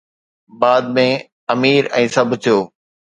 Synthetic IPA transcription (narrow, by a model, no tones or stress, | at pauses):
baːd̪̚mẽ | ɐmiːɾɛ̰̃ːsɐbʱt̪ʰijoː